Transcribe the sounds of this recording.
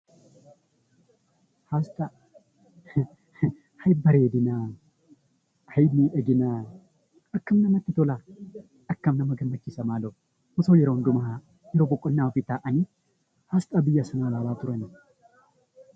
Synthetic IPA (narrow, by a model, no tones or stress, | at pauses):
haːst̪ʼɐ | hɐjbɐɾeːd̪ɪnaː | hɐjniːʔɛɡɪnaː | ʔɐkːɐmnɐmɐt̪ːɪt̪ɔlaː | ɐkːɐmnɐmɐɡɐmːɐt͡ʃːɪsɐmaːlo | mʊsoːjɛɾoːnd̪ʊmɐɦa | jɛɾoːbɔkʼːɔnnːaːɔfɪt̪ːaːʔɐniː | haːst̪ʼɐbɪjːɐsɐnaːlaːlaːt̪ʊɾɐnɪ